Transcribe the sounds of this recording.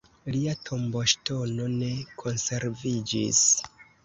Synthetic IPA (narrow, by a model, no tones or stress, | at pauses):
liatʰo̞mboʃto̞no̞ne̞kʰo̞nse̞ɾvid͡ʒḭs